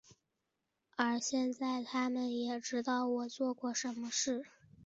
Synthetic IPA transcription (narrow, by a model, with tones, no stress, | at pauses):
ə˞˧˥ɕjɛ˥˧nt͡sa˥˩ɪt̪ʰa˥mə˨njɛ˨˩ʈ͡ʂɻ̩˧˥t̪ɑ˥˩ʊwɔ˨˩t͡swɔ˥˧kwɔ˥˩ʂə˧˥nmə˧ʂɻ̩˥˩